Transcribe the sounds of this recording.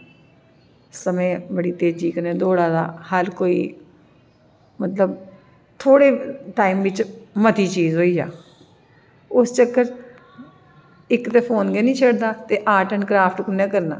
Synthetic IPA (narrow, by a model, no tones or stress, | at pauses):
səmẽːbəɽiːt̪eːd͡ʒiːkənẽːd̪oːɽaːd̪a̰ːhəɾkoːiː | mət̪ləb | t̪ʰoːɽeːʈaːiːmʋɪt͡ʃmət̪iːt͡ʃiːzɦoːiːd͡ʒa̰ː | ʊst͡ʃəkːəɾ | ɪkːt̪eːpʰoːnɡeːnĩːt͡ʃʰeːɽd̪aːt̪eːʔaːʈənkɾaːpʰʈkʊnẽːkəɾna̰ː